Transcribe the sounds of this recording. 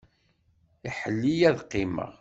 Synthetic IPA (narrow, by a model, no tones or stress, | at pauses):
iħəlːijæðqːɪmə̰ʁ